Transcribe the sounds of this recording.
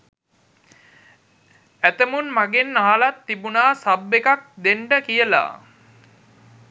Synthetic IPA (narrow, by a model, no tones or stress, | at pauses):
æt̪əmunmaɡenːaɦalat̪ːibunaːsabːekak̚d̪eɳɖəkijəla̰